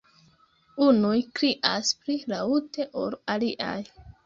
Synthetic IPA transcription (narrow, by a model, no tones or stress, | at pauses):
unujkɾiʔaspɾilaute̞ʔo̰ɾaliʔa̰j